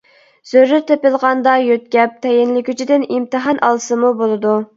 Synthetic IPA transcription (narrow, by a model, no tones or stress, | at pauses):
z̥øɾːɪɾt̪ʰepɪlˠʁɑnd̪ɑjøt̪̚kʲɛp̚t̪ʰɛjɪnlɪkʲyt͡ʃʰid̪ɪnimt̪ɨɦɑnʔɑ̰lˠsɨmubolˠɨd̪u